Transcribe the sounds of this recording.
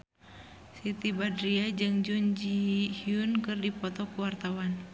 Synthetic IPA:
sit̪ibadɾiad͡ʒɨŋd͡ʒund͡ʒihiunkɨrdipɔt̪ɔkuwart̪awan

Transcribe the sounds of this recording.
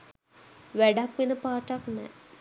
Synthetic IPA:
ʋæɖakʋenəpaːʈaknɛ̰

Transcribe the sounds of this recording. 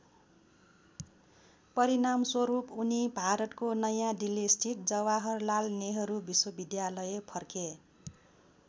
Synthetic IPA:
pʌɾinamswʌɾupunibʱaɾʌt̪konʌjãɖilːisʈʰiʈ̚d͡zʌwaɦʌrlalneɦʌɾubiswʌbid̪jalʌjepʰʌrke

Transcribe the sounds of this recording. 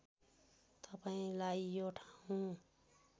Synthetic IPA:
t̪ʌpaĩlaijoʈʰḁũ

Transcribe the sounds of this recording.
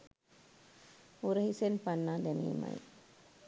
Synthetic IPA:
uɾəhisenpanːaːd̪enḭːmɐ̰j

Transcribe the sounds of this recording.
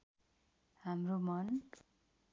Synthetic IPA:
hamromʌn

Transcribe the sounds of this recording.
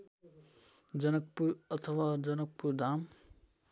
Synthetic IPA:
d͡ʒɐnək̚puɾɐt̪ʰəʋaːd͡ʒɐnək̚puɾd̪aːm

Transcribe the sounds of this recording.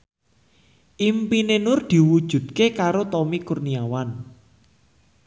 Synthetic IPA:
ʔimpinenʊrd̪̥i̤wud̥ʒ̥ṳd̪̥̚kekaɾot̪ɔmikurniawan

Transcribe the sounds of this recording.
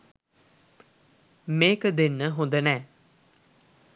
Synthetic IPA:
mekd̪ɪnɦʊ̃nd̪ənɛ̃ː

